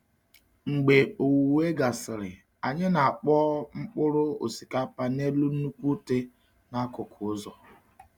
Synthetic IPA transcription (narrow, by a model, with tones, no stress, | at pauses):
ŋ͡m̩˨ɡ͡be˨o˨wu˨we˦ɡa˨sɪ˨ɾɪ˨ | a˨ɲɪ˦na˨a˨k͡pɔ˦ŋ͡m̩˦k͡pʊ˦ɾʊ˦o̰˨si˨ka˦pa˦ne˦lu˦n̩˦nu˦kʷu˦te˦ | na˦kʊ˨kʰʊ˨ʊ˦zɔ˨